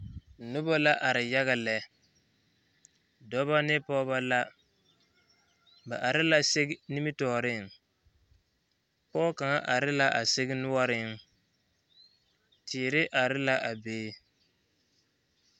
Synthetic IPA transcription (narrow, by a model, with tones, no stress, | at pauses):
nʊ˦bɔ˦la˦ʔa˨ɾɪ˨ja˦ɣa˨lɛ˨ | dɔ˦ba˦nɪ˦pɔː˦ba˦la˦ | ba˨ʔa˨ɾɪ˦la˦se˦ɡni˦mi˦tɔː˨ɾɪ˦˨ŋ | pɔː˦ka˨ŋa˦ʔa˨ɾɪ˦la˦ʔa˨sɪ˦ɡɪ˦nʊ˦wa˦ɾɪ˦ŋ | tʰɪː˨ɾɪ˦ʔa˨ɾɪ˦la˦ʔa˨beː˦